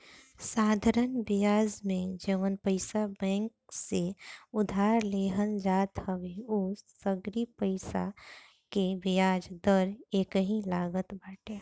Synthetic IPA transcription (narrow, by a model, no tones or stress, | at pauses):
saːd̪ʱaɾənbijaːd͡ʒmẽd͡ʒeːʋənpəɪsabɛ̃ːŋk̚seʊd̪ʱaːɾleːɦənd͡ʒaːt̪həʋeuʊsəɡɾipəɪsa̰ | kebɪjaːd͡ʒd̪əɾeːkəɦĩlaːɡət̪baːʈeː